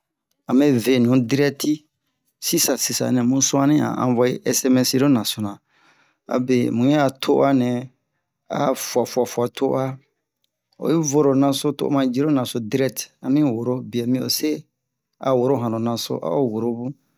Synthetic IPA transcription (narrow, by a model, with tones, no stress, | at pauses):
a˨mẽ˦ve˨n˨ũ˨˦di˦ɾɛ˦tʰi˦ | si˦sa˨si˨sa̰˨˦nɛ̃˨mũ˦sʊ˦a˦nĩ˦a̰˨ã̰˨˦vɔ˦i˦ʔɛ˦sɛ˦mɛ˦si˦ɾo˦nã˨so˨nã˨ | a̰˨be˨mũ˨˦ɲɛ̃˦a˨tʰo˦ʔa˦nɛ̃˨ | a̰˦fu˨a˨fu˨a˨fu˨a˨tʰo˦ʔa˦ | o̰˨i˦vo˦ɾo˨nã˨so˦to̰˦˨˦mã˧d͡ʒi˦ɾo˦nã˨so˨di˦ɾɛ˦k̚ta˨mĩ˦˨wo˨ɾo˦bi˨ɛ˨mĩ˦o̰˨se˦ | a̰˨wo˨ɾo˦ɦã˨nõ˨nã˨so̰˦ʔa̰˦o˦wo˨ɾo˦bu˦